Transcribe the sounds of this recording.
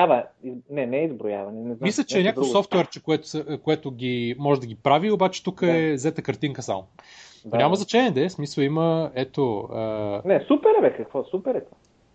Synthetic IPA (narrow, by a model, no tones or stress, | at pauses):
avəiznɛnɛizbɾoja̰vɐnɛnɛzmmislʲət͡ʃɛɛnʲak̪vosɔft̪uɛɾt͡ʃɛkoɛt̪ʊ̥səkoɛt̪ʊɡʲimɔʒɛd̪ɐɡʲipɾaviobat͡ʃɛ̥t̪ukəɛzɛt̪əkɐɾt̪iŋkəsa̰mo | nʲamɐznɐt͡ʃɛnɛd̪ɛsmisəlˠiməɛt̪oənɛsupɛɾɛvɛkəkvɔsupɛɾɛt̪va